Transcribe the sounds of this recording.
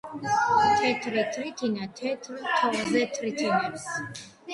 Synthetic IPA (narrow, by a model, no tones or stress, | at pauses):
t̪ʰɛt̪ʰɾɛt̪ʰɾit̪ʰinat̪ʰɛt̪ʰɾt̪ʰɔlzɛt̪ʰɾit̪ʰinaɾs